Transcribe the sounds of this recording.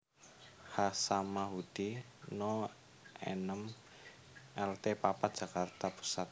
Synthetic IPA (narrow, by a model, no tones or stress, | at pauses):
hasamaɦud̪̥i | nɔ | ɛ̰nəm | ɛlt̪epapadʒ̥a̤kart̪apu̥sat̪̚